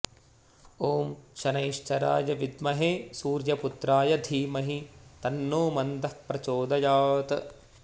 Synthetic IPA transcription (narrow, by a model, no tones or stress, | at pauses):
oːmʃɐnɐjʃt͡ʃɐɾa̰ːjɐʋid̪mɐɦesuːɾjɐput̪ɾaːjɐd̪ʱiːmɐɦit̪ɐnːoːmɐnd̪ɐhpɾɐt͡ʃoːd̪ɐjaːt̪